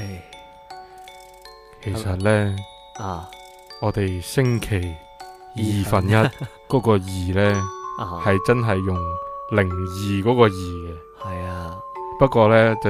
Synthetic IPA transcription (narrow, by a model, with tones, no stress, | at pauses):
kʰe˨˩jsɐ˨t̚lɛː˥˨ | ɔː˨˧t̪e˨jsɪ˥ŋkʰe˨˩j | jiː˨fɐ˨njɐ˥t̚ | kɔː˨˥kɔː˧jiː˨˩lɛː˥hɐ˨jt͡sɐ˥nɦɐ˨jːʊ˨˩ŋlɪ˨˩ŋjiː˨kɔː˨˥kɔː˧jiː˨˩ɡɛ˧ | hɐ˨j | pɐ˥t̚kɔː˧lɛː˥t͡sɐ˨